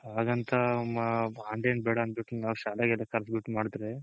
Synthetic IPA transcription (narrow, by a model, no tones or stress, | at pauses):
aːɡɐnt̪ʰɐmaːɳɖenbɛːɽɐːnbiʈːiŋnaːʋʃaːlɐɡɛlːɐkɐɾsɡuʈmaːɽd̪ɾe